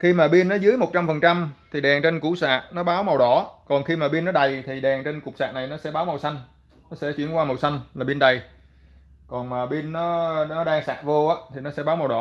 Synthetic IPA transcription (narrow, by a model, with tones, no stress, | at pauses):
xi˧maː˨˩ɓi˧nːɔ˨˦zɨ˨˦əjmo˨˩t̚t͡ɕa˧mfə˨˩nt͡ɕa˧mt̪ʰi˨˩ɗɛ˨˩ŋt͡ɕe˧nkṵ˧˩sa̰ː˧˨ʔ̚nɔ˨˦ɓaː˨˦wma˨˩wɗɔ˧˩˥kɔ˨˩nxi˧maː˨˩ɓi˧nːɔ˨˦ɗə˨˩jt̪ʰi˨˩ɗɛ˨˩ŋt͡ɕe˧nku˨˩k͡p̚sa̰ː˨ʔ̚na˨˩jnɔ˨˦sɛ̰˧˥ɓaː˨˦wma˨˩wsa˧jŋ̟ | nɔ˨˦sɛ̰˧˥t͡ɕi˧˩ənkwaː˧mə˨˩wsa˧jŋ̟laː˨˩ɓi˧nɗə˨˩j | kɔ˨˩nmaː˨˩ɓi˧nːɔ˨˦nɔ˨˦ɗaː˧ŋsa̰ː˧˨˩ʔvo˧ʔaː˨˦t̪ʰi˨˩nɔ˨˦sɛ̰˧˥ɓaː˨˦wm˨˩wɗɔ̰˧˦